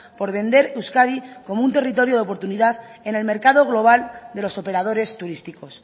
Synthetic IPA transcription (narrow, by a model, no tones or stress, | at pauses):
po̞ɾβe̞nd̪e̞ɾewskaðiko̞mount̪e̞rit̪̬o̞ɾjo̞ðeo̞po̞ɾt̪uniðaðe̞ne̞lme̞ɾkaðo̞ɣ̞lo̞βald̪e̞lo̞so̞pe̞ɾað̞o̞ɾe̞st̪uɾist̪iko̞s